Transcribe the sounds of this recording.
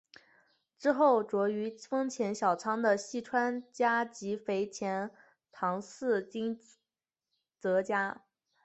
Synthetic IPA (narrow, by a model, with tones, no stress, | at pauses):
ʈ͡ʂɻ̩˥xo˥˩ʊʈ͡ʂwɔ˧˥y˧˥fɤ˥ŋt͡ɕʰjɛ˧˥nɕjɑ˨˩ʊt͡sʰɑ˥ŋd̪ə˨ɕi˥˩ʈ͡ʂʰwa˥nt͡ɕja˥t͡ɕi˧˥fe˧˥ɪt͡ɕʰjɛ˧˥n | t̪ʰɑ˧˥ŋsɹ̩˥˩t͡ɕi˥ŋ | t͡sɤ˧˥t͡ɕja˥